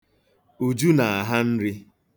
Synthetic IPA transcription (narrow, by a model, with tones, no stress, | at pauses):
u˨d͡ʒu˦na˨a˨ɦa˦n̩˦ɾɪ˦